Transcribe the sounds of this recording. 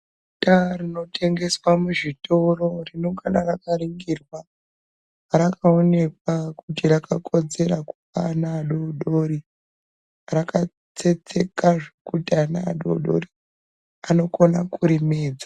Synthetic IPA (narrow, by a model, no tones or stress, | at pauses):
utarino̞tʰe̞ŋɡe̞swamuʐitʰororino̞kɡanarakaɾiŋɡirwa | ɾakaone̞kwakutirakʰako̞d͡ze̞ɾaku̥panaɗoɗoɾi | raka | t͡se̞t͡se̞kaʐekutiana̰ɗo̰ɗo̰ri | ano̞konakuɾimeːd͡za